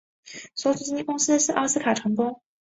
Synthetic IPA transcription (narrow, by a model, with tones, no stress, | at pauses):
swɔ˧˥sʰu˨˩t͡ɕi˥ni˥˩kʊ˥ŋsɹ̩˥˧ʂɻ̩˥˩ʔɑ˥s̩˥kʰa˨˩ʈ͡ʂʰɤ˧˥ŋpʊ˥ŋ